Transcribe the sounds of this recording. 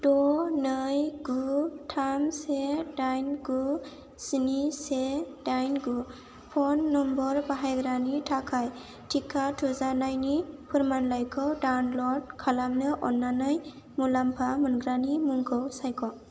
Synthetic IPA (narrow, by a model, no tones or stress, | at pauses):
dɔnɯjɡutʰamsedajnɡu | sinisedajnɡu | pʰɔnːɔmbɔɾbaɦajɡɾanitʰakʰaj | tʰikʰːatʰuzanajnipʰɯɾmanlajkʰɔwdawnlɔd̚kʰalamnɯʔɔnːanɯj | mulampʰamɯnɡɾanimuŋkʰɯwsajkʰɔ